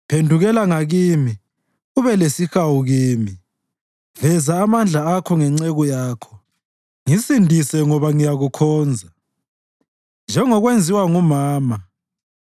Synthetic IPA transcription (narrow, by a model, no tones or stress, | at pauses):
pʰendʱuɣɛlaŋaɣimi | uβɛlesixawuɣiːmi | vɛzaːmand͡ɮʱaakʰɔŋɛŋ͡ǀeɣujaːkʰɔ̥ | ŋisindʱisɛŋɔβaŋijaɣukʰɔːnd͡zʱa | nd͡ʒʱɛŋɔɣwend͡zʱiwaŋumaːma